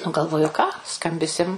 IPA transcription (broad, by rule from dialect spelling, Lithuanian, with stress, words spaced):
nʊ ɡɐlˠˈʋoːjʊ kɑː ˈskɐmʲbʲɪsʲɪm